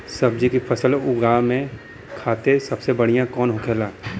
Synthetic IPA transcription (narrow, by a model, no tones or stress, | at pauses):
sɐb̚d͡ʒikipʰəsəlʊɡaːmẽ | kʰaːt̪esɐbsebəɽ̤ijãkɔːnɦʊkʰeːlaː